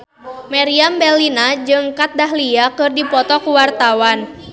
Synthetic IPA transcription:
maɾiambɛlinad͡ʒɨŋkat̪̚daɦliakɨrdipɔt̪ɔkuwart̪awan

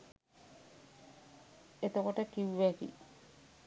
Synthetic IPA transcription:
et̪okoʈəkiwːɛt̪ḭ

